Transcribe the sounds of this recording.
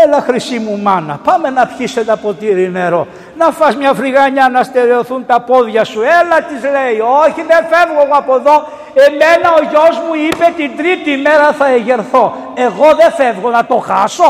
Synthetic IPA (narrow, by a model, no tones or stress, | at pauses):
elɐxɾisimumɐnɐ̰pɐme̞nɐpçiset̪ɐpot̪iɾimeɾo | nɐfɐzmɲɐfɾiɣɐɲɐnɐst̪eɾeoθunt̪ɐpo̞ðʝɐsuelɐt̪izle̞ioçiðefevɣoɣoɐpo̞ðo̞ | e̞me̞nɐo̞ʝo̞zmuipe̞t̪ind̪ɾit̪ime̞ɾɐθɐeʝe̞ɾθo̞ | e̞ɣo̞ðe̞fevɣo̞nɐt̪o̞xɐso̞